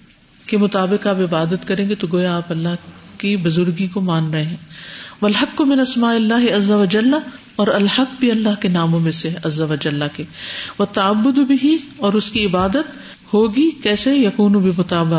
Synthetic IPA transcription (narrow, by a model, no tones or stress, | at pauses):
kemʊt̪aːbɪkaːpɪbaːd̪ət̪kɐɾẽːɡet̪oɡoːjaaːpɐlːaɦkibʊzʊɾɡikomaːnɾɐɦeɛ̃ːʋɐlɦɐkːʊmɪ̃nɐsmaːʔɪlːaːɦɪɐzːɐʋɐd͡ʒɐlːa | ɔːɾɐlhɐkːbiɐlːaɦkenaːmõmẽseɐzːɐʋɐd͡ʒɐlːakeʋɐt̪ːɐɐbːʊd̪bɪɦiɔːɾʊskiɪbaːd̪ət̪ | hoːɡikɛːsejɐkuːnubɪmʊt̪aːbɪ